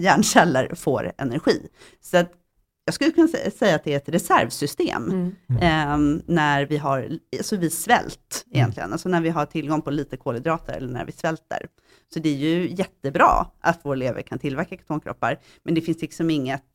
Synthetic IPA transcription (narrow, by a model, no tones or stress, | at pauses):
jæːɳʂɛlːə̰ɾfo̰ːɾɛ̰næɾɧḭː | sat̪ | jɑːɡskɵljəkʰɵnːasɛjːat̪d̪ɛæɾɛt̪ɾɛsæ̰ɾvsʏst̪ḛːm | næɾvɪɦaɾasɔvɪsvɛ̰lt̪ɪjɛnt̪lɪɡənalsɔnæɾvɪɦaʈʰɪlɡɔŋpʰɔliːt̪əkʰoːləd̪ɾɑːt̪ʰəɾɛ̰lːəɳæ̰ɾvɪ̰svɛlt̪ə̰ɾ | sɔd̪ɛæɾjɵjɛt̪ːəbɾɑ̰ːʔat̪voːɾɛleːvə̰ɾkʰant̪ʰɪlvæɾkakʰḁt̪ʰoːnkʰɾɔ̰pːa̰ɾ | mɛnd̪ɛfɪnslɪksɔmɪŋːət̪